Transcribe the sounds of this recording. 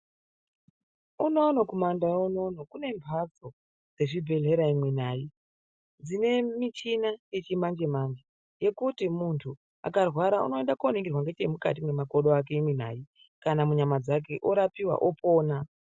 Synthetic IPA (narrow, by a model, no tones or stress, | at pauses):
uno̞nokomandaono̞nokune̞mbʱad͡zo̞ | d͡ze̞ʐibʱe̞ɮe̞ɾaimwin̤aːji | d͡zine̞mit͡ʃinaje̞t͡ʃimand͡ʒe̞mand͡ʒe | je̞kutimuntʰu | a̰karwaɾaṵno̞e̞ndakuoneŋɡirwaŋɡet͡ʃemuka̰t̬imwemakoɗoak̬e̞imwin̤a̰ːji | kanamuɲamad͡zak̬e̞ʔoɾapiwa̰ʔopo̞ːna